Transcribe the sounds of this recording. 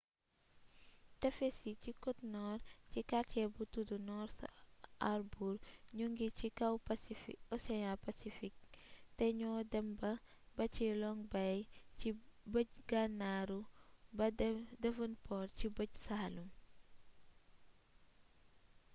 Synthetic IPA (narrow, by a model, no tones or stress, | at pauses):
tɐfesicikɔtnɔrcikacɛbutudunɔɾtʔarbuɾɲuŋɡicikɐwpsifiɔsɛjalpasifik̚tɐɲɔːdɛmbɐ | bɐcilɔŋbɐjibəɟɡanaɾubdɐvɐnpɔɾcibəɟsahlum